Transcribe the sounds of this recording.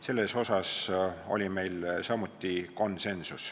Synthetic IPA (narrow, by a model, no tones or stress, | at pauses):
se̞lːe̞so̞sɑso̞̰lʲime̞jlsɑmut̪ːˑiko̞nse̞nsus